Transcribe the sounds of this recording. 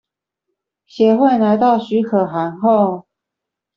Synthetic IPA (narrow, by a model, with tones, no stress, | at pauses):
ɕjɛ˧˥xwe˥˨ɪna˧˥ɪt̪ɑ˥˩ʊɕy˧˥kʰɤ˨˩xa˧˦˥nxo˥˨ʊ